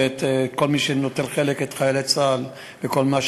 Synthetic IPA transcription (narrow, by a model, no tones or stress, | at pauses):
et̪ːko̞lmiʃenot̪elχeleket̪χajelet͡sal | veko̞lmaʃ